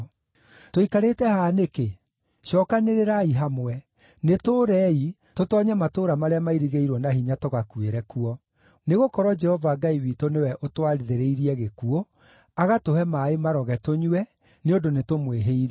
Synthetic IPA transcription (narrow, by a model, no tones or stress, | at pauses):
toikaɾetɛhaːneke | ɕɔkaneɾeɾaiɦamwɛ | netoːɾɛi | totɔɲɛmatoːɾamaɾeamaiɾiɣeiɾwɔnaɦiɲatoɣakueɾɛkuɔ | neɣokɔɾwɔd͡ʒɛhɔvaːɡaiwitonewɛʔotwaɾiðeɾeiɾiɛɣekuo | aɣatohɛmaːemaɾɔɣɛtoɲwɛ | neodonetomweɦeiɾɛ